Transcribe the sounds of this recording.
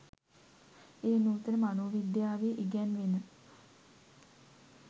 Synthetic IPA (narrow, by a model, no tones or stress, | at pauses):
eːnuːt̪əɾəmanoːʋid̪jaːʋeʔiɡænʋenə